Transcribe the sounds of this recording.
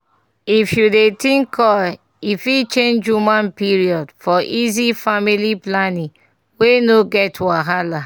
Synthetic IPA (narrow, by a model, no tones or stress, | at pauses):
ifjudetĩŋkʰɔl | ifit͡ʃẽnd͡ʒjumãnpiɹiɔdfɔʔizifamiliplanĩŋ | wenoɡɛtwaɦala